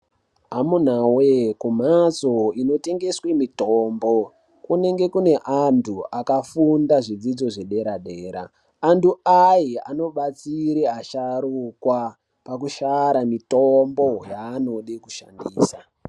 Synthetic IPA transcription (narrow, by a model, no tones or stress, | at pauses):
ɦamun̤awekum̤azo̞ino̞te̞ŋɡe̞swe̞mitoːmbo̞ | kune̞ŋɡe̞kune̞ʔantʰuakafundaʐid͡zid͡zo̞ʐe̞ɗe̞ɾaɗe̞ːɾa̰ː | ntuajia̰no̞ɓat͡siɾeaʃaɾukwa | pak̬uʃaɾamitombo̞jaːno̞ɗiku̥ʃa̰ndḭːsa